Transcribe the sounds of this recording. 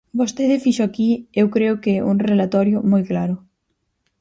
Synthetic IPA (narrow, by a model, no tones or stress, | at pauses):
bost̪eðɪfiʃoakiewkɾeʊkɛʔuŋrelat̪ɔɾjʊmɔjklaɾʊ